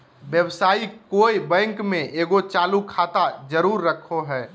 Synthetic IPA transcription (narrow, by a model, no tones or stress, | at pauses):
ʋjəbsaːikoːibɛ̃ŋkmẽʔeːɡot͡ʃaːlukʰaːt̪ad͡ʒəɾuːɾːəkʰoɦɛː